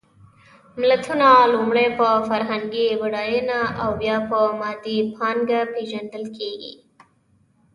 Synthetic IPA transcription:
mlat̪ʰunalumɽejpəfaɾɦaŋɡibaɽɑjenaawːjɑpəmɑd̪ipʰɑnɡapeʒand̪əlkʰeɡḭ

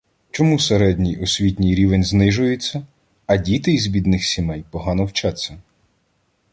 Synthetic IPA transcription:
t͡ʃɔmuseɾɛdʲnʲijɔsʲʋʲit̪ʲnʲijɾʲiʋenʲznɪʒʊjet͡sʲːɐ | ɐdʲit̪ɪizbʲid̪nɪxsʲimɛjpɔɦɑnɔwt͡ʃat͡sʲːɐ

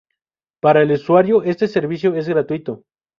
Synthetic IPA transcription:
paɾaeluswaɾjoe̞st̪ese̞ɾβis̬joe̞z̬ɣɾat̪uit̪o

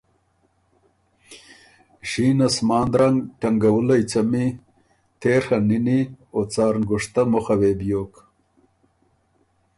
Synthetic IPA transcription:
ʒiːnasmɑːnd̪ɾaŋɡʈɐŋɡɐwulɐjt͡sɐmi | t̪eːɾxaniniot͡sɑːɾnɡʊʂt̪amʊxɐweːbjoːk

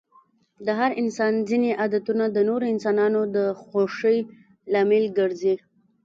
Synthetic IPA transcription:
d̪əɦaɾɪnsɑnzineʔad̪at̪unad̪ənoɾoɪnsɑnɑnod̪əxoʂəj | lɑmɪlɡəɾzi

